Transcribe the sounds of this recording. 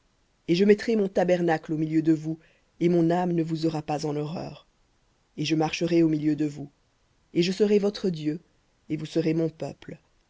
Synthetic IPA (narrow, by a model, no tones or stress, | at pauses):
eʒəmɛt̪χemɔ̃t̪abɛʁnaklomiljød̪əvu | emɔ̃namnəvuzɔʁapazɑ̃nɔʁœ̰ːʁ | eʒəmaʁʃəʁeomiljød̪əvu | eʒəsəʁevɔt̪χəd̪jø | evusəʁemɔ̃pœ̰pl